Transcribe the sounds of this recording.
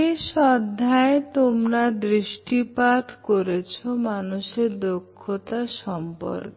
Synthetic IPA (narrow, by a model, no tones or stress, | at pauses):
ʃɔd̪ʱːaet̪omɾad̪ɾiʃʈipat̪koɾet͡ɕʰomanuʃeɾd̪okʰːot̪aʃɔmpɔ̰ɾk